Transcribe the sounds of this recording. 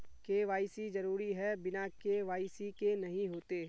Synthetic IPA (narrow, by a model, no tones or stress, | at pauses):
keʋaːɪsizɐɾuːɾiɦɛbɪnakeʋaːɪsikenɐɦĩɦoːt̪eː